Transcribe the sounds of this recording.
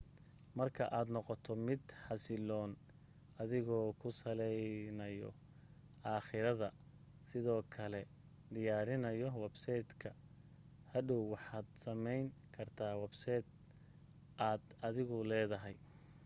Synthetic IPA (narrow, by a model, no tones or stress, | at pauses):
mɐrkʰɐʔaːd̪nɔqɔt̪ʰɔmɪd̪ħɑsɪlɔːn | ɐðɪɣɔːkʰʊsɐlɛjnɐjɔ̰ | ʔaːχɪɾɐðɐ | sɪðɔːkʰɐlɛ | d̪ɪjaːɾɪnɐjɔwɛbsɛjd̪kʰɐ | hɐdɔwwɑħaːd̪sɐmɛjŋkʰɐrt̪ʰaːwɛbsɛd̪̚ | ʔaːd̪ɐðɪɣʊlɛːðɐɦɛj